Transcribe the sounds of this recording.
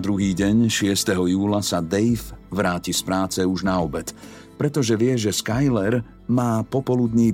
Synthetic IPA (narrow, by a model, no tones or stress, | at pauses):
d̪ɾuɦiːɟɛɲʃɪɛst̪ɛɦɔjuːlasad̪ɛjfʋɾaːcispɾaːt͡sɛuʒnaɔbɛt̪ | pɾɛt̪ɔʒɛʋɪɛʒɛskajlɛɾ | maːpɔpɔlud̪ɲiː